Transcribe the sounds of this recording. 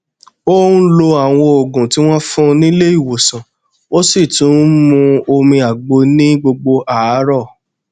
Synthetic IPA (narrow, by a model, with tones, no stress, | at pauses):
o˦ũ˦lo˧a˨w̃ɔ̃˧o˨ɡũ˨ti˨˦w̃ɔ̃˦fũ˦˧nĩ˦le˦i˦˨wo˨sã˨ | wo˦si˦˨tũ˨˦mũ˧o˧mĩ˧a˨ɡ͡bo˨˧nĩ˦ɡ͡bo˧ɡ͡bo˧ʔa˨˦ɾɔ˦˨